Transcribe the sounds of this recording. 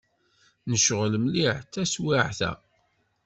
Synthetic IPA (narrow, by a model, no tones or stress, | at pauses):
nəʃʁləmliħt̪ːæswiʕθæ̰